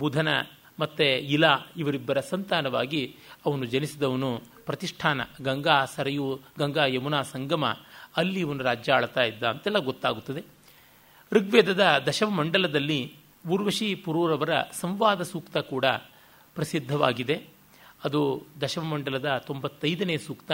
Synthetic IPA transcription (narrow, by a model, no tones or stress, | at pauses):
buːd̪ʱɐnɐ | mɐt̪ːeilaiʋɐɾibːɐɾɐsɐnt̪aːnɐʋaːɡiɐʋɐnud͡ʒɐnisid̪ɐʋɐnupɾɐt̪iʂʈʰaːnɐ̰ɡɐŋɡaːsɐɾɐjuɡɐŋɡaːjɐmunaːsɐŋɡɐmɐ̰ɐlːiːʋɐnuɾaːd͡ʒjɐːɭt̪aːjid̪ːaːɐnt̪ɛlːɐɡot̪ːaːɡut̪ːɐd̪e̞ | ɾiɡʋɛːd̪ɐd̪ɐd̪ɐʃɐʋɐmɐɳɖɐlɐd̪ɐlːi | uːɾʋɐʃipuɾuːɾɐʋɐɾɐ̰sɐmʋaːd̪ɐsuːkt̪ɐkuːɽɐ | pɾɐsid̪ʱːɐʋa̰ːɡid̪e̞ | ɐd̪ud̪ɐʃɐʋɐmɐɳɖɐlɐd̪ɐt̪o̞mbɐt̪ːɐjd̪ɐneːsuːkt̪ɐ